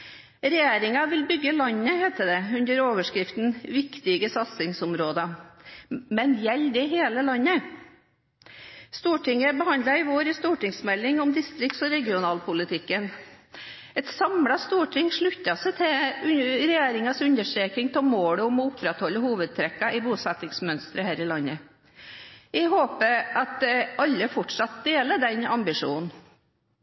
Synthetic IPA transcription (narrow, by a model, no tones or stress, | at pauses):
ɾɛjeːɾɪŋɑʋɪlbʏɡːəlɑnːəhɛːt̪əd̪ɛʉnd̪əɾoːʋəʂkɾɪft̪n̩ʋɪkt̪ɪɡəsɑt̪sɪŋsʊmɾoːd̪ɑ | mɛnjɛld̪ɪɦeːləlɑnːə | st̪uːʈɪŋːəbəhɑnd̪lɑɪʋoːɾɪst̪uːʈɪŋsmɛlːɪŋɔmd̪ɪst̪ɾɪkt̪sɔɾɛɡɪʊnɑːlpʊlɪt̪ʰɪkːən | ɛt̪sɑmɽɑst̪uːʈʰɪŋʂɭʉt̪ːɑsɛɪt̪ʰɛʉɾɛjeːɾɪŋɑsʉnəʂʈɾeːk̪ɪŋt̪ʰɔmoːɽəɔmɔʊpɾɛt̪hɔlːəhuːʋəd̪̚t̪ʰɾɛkːɑɪbuːsɛt̪ːɪŋsmœnst̪ɾəhæːɾɪlɑnːə | æɪɦoːpəɑt̪̚ɛʔɑlːəfɔʈʂɑt̪̚d̪eːləɖɛnɑmbɪʂṵːnn̩